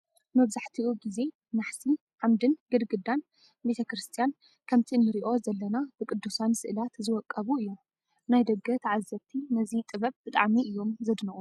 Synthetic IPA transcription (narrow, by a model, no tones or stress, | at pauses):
mɐβzaħt̪ʰiuɡize̞ | naħsi | ʕamd̪ɨnɡɨd̪ɡɨd̪an | bet̪ʰɐkɾɨst̪ʰijan | kʰɐmt̪ʰinːɨɾiʔo̞zɐlːɐnabɨkʼɨd̪ːusansɨʔɨlat̪zɨwɔkʼːɐβuɨjːu | najd̪ɐɡːɐt̪ʰʕazːɐbt̪ʰinɐzit̪ʼɨβɐβ̚b̥ɨt̪ʼa̰ʕmiʔɨjːo̞mzɐd̪nɐʔu